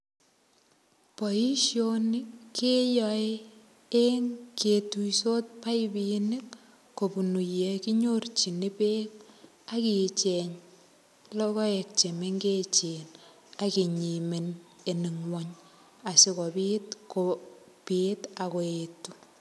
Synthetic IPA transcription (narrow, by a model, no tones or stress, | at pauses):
pɔiʃjonikːejɔe | eŋketuisot̚pajbinik | kːopunujekiɲort͡ʃinipek̚ | akit͡ʃeɲ | lɔkɔek̚t͡ʃemeŋɡet͡ʃen | akiɲimeneniŋwɔɲ | asikɔbitko | pitakoetu